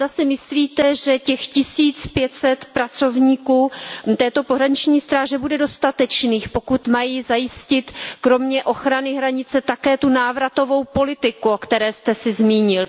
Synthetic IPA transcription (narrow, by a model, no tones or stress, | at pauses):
zasɛmɪsliːt̪ɛʒɛcɛxcɪsiːt͡spjɛt̪sɛt̪pɾat͡so̞vɲiːkuːt̪ɛːt̪o̞poɦɾaɲɪt͡ʃɲiːst̪ɾaːʒɛbudɛdo̞st̪at̪ɛt͡ʃniːxpo̞kut̪majiːzajɪscɪt̪kɾo̞mɲɛʔo̞xɾanɪɦɾaɲɪt͡sɛt̪akɛːt̪unaːvɾat̪o̞vo̞wpo̞lɪt̪ɪkuokt̪ɛɾɛːst̪ɛsɪzmiːɲɪl